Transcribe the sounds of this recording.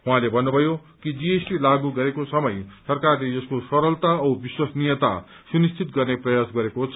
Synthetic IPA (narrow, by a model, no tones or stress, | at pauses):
ɦũɦãlebʱʌnːubʱʌjo | kid͡ziesʈilaɡuɡʌɾekosʌmʌjsʌrkarled͡zʌskosʌɾʌlt̪aʌbiswasnijʌt̪a̰ | sunist͡sʰit̪̚ɡʌrneprʌjasɡʌɾekot͡sʰ